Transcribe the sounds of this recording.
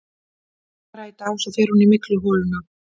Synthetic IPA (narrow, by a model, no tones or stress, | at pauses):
ɾaːjt̪aːwsaðfɛːɾ̥hunimɪklʏɦɔːlʏna